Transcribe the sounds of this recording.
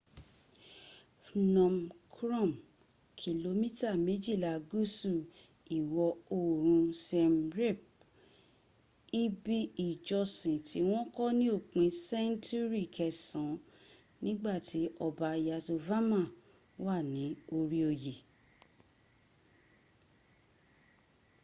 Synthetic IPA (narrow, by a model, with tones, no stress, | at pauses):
fnɔ̃˨mkʰɾɔ̃˦˨m | kʰi˨lo˧mĩ˦ta˦˨mẽ˨˦d͡ʒi˦˨la˨ɡu˦su˦˨ | i˨wɔ˧o˨ɾ̃ũ˧sɛ˧mɾe˦˨p̚ | i˦bi˦i˨d͡ʒɔ˧sĩ˨tʰi˨˦w̃ɔ̃˦kɔ˦nĩ˦o˦˨k͡pĩ˧˦sɛ˦n˦tu˦ɾi˦˨kʰɛ˨sɔ̃˨˦ | nĩ˦ɡ͡ba˦˨ti˨˦ʔɔ˧ba˧˨ja˧so˧va˦mã˦˨ | wa˦˨nĩ˨˦o˧ɾi˦o˧je˨